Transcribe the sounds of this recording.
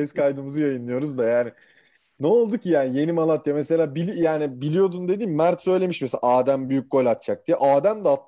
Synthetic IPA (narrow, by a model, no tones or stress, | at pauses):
ɛzkʰajd̪ɯmɯzɯjajɯnːˠɯjo̞ɾuzd̪ajaːnɪ | nɛo̞lˠd̪ucʰijaːnije̞nimalˠat̪jamese̞lʲaːbilʲijaːnibilʲijo̞d̪und̪e̞d̪iːnmæɾt̪sø̞jlʲe̞miʃmesela̰aːd̪æmbyjyc̚ɡo̞lʲat̪̚t͡ʃʰak̚d̪ijɛʔaːd̪æmd̪ɛat̪